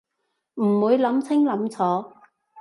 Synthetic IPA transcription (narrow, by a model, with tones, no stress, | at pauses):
m̩˨˩wuː˨˧jlɐ˨˥mt͡sʰɪ˥ŋlɐ˨˧˥mt͡sʰɔː˨˥